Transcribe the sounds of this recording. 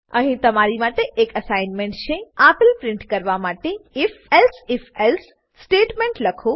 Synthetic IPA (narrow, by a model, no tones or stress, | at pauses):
ɐɦĩt̪ɐmaːɾimaːʈeʔeːkəsaːɪnmẽɳʈʃʰẽaːpɪlpɾɪ̃ɳʈkɐɾʋamaːʈeɪfɛlsɪfʰɛls | sʈeːʈmẽːɳʈlɐkʰo